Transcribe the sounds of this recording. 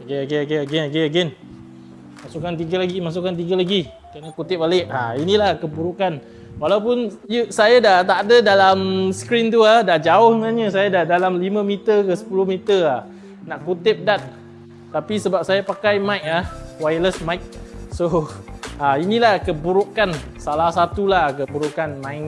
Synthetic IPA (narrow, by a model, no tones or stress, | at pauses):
okeaɡɛaɡɛnaɡɛnaɡeaɡɛn | masukant̪̬iɡalaɡimas̬ukant̪iɡalaɡi | kəɾanakut̪ɪp̚alɪʔa̰inĩlahkəbuɾukan | walawp̬ʊnjəsajadaʔt̪aʔdədalamskɾint̪uahdaʔd͡ʒaʊhsənaɲəsajadadalamlimãmit̪ərkəsə̥pulʊhmit̪əa | naʔkut̪ɪp̚dat̪̚ː | apisəbap̚sajapakajmãjk̚ahwajləsmajk̚so | ainĩlahkəbuɾukan | salahsat̪ulahkəbuɾukanmãj